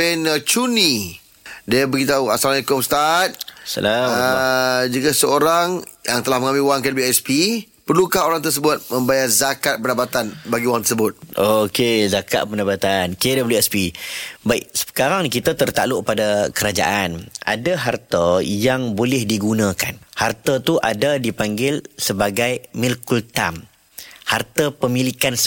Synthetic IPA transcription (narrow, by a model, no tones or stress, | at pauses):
pɛnət͡ʃuni | diabəɡit̪auasalanikɔmst̪at̪̚sa̰la | d͡ʒəkasəoɾaŋjaŋt̪əlahməŋãmɪlwaŋkanbiɛspi | pərlukaɦoɾaŋt̪ərs̬əbʊt̪̚mə̃mbajarzakat̪̚pəndapat̪anbaɡiwaŋt̪ərsəbʊt̪̚ʔokezaka̰t̪̚pəndapat̪ankedabəljuɛspibaɪʔsə̥kaɾaŋnkit̪at̪ərt̪aloʔ̚padakəɾad͡ʒa̰ʔana̰daɦart̪əjaŋbolɪhdiɡunãka̰nhart̪ət̪uʔadadipaŋɡɪlsəbaɡajmilkult̪am | hart̪əpəmilikan